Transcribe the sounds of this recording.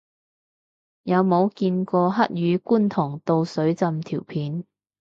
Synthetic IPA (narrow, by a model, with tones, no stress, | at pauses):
jɐ˨˧wmo˨˧wkiː˧nkɔː˧ɦɐ˥t̚jyː˨˧kuː˥nt̪ʰʊ˨˩ŋt̪o˧wsɵ˨˥ɥt͡sɐ˧mt̪ʰiː˨˩wpʰiː˨˥n